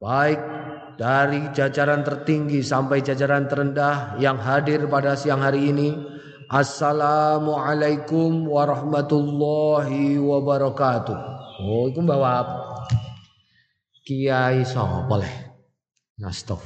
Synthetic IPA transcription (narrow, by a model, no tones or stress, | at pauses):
baɪk̚ | d̥aɾid͡ʒad͡ʒaɾant̪ərt̪iŋɡisampajd͡ʒad͡ʒaɾant̪əɾəndahjaŋɦadɪrpadasiaŋɦaɾiːni | ʔasːalamuʕalajkʊmwaɾɑhmat̪ulːɔɦiwabaɾɔkat̪uhoikumbawapa | kiaisɔ̰polɛ̰h | na̰st̪ɔ̰f